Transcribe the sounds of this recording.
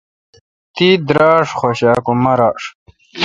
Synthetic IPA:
t̪iːd̪ɾaːʂχoɕaːkumɐɾaːʂ

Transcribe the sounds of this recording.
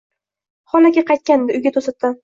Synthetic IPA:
χɒlakʲaqʰɑjt̪̚kʲand̪ɪʊjɡʲat̪ʰosat̪ːɪ

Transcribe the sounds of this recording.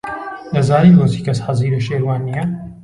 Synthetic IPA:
lɐzaːɾiloːsiːkɐsħaziːɾɐʃeːɾwaːnijɐ

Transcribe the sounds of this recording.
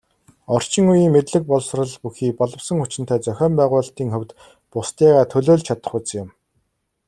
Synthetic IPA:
ɔr̥t͡ɕɪ̆ŋujiːŋmet̪ɮɘ̆k̚pɔɮsrə̆ɮpuxiːpɔɮɞ̆wsə̆ŋxʊt͡ɕɪ̆nt̪æːt͡sœxʲɔːmpæːʁʊːɬt̪iːŋxɵ̆wʲt̪ | pʊst̪iːʁaːt̪ʰɵɮoːɮt͡ɕʰat̪ə̥̆χʊt͡sŋjɪ̆m

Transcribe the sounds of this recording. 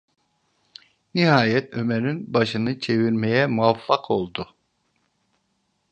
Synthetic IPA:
nihaːjɛt̪ømeɾinbaʃɯnɯt͡ʃʰe̞viɾmejɛmuafːaqʰo̞lˠd̪u

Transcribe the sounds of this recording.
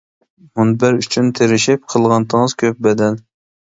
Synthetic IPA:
munbæɾyt͡ʃʰynt̪ʰeɾɪʃip̚qʰəlˠʁɑnt̪ʰəŋz̥kʲʰøp̚bɛd̪ɛl

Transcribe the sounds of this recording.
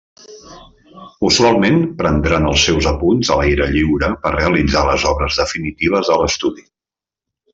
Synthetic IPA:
uzualˠmenpɾənd̪ɾanəlˠsɛwzəpunzəlajɾəʎiwɾəpərreəlid͡zaləzɔβɾəzðəfinit̪iβ̞əzələst̪uði

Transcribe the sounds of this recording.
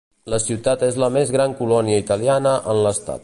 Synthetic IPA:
ləsiwt̪at̪ezləmezɣɾaŋkulɔniəit̪əlianəʔənləst̪a̰t̪̚

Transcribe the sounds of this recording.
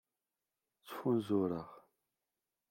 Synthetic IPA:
t͡sːə̥funzʊɾəʁ

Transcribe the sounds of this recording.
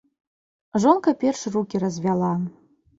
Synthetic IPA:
ʐonkɐpʲerʂrukʲirɐzʲvʲalˠa

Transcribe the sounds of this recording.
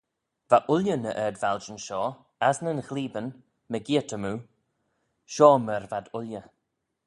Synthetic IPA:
vaʔʊljənəʔɛːdvald͡ʒənʃɔː | asnənxliːbən | məɡiətʰəmuː | ʃɔːməɾvad̪ʊljə

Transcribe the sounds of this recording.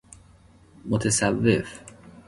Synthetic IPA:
mot̪ʰesævːef

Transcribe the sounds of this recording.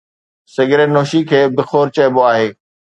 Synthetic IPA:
sɪɡɾenoːʃikʰeːbɪxoːɾt͡ɕɐɦɪboaːɦeː

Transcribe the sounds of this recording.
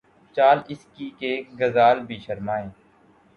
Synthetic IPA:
t͡ʃaːlɪskiːkeːɡəzaːlbʱiːʃəɾmaːẽː

